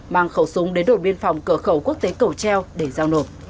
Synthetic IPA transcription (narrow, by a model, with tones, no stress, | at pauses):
maː˧˩ŋxə˧˩wsʊ˨˦ŋ͡mɗe˨˦nɗo˧˩ɓi˧ənfɔ˨˩wŋ͡mkəː˧˩xə˧˩wku˦˥ək̚t̪e˨˦kə˨˧˩wt͡ɕɛ˧wɗe˧˩zaː˧wno˨˩p̚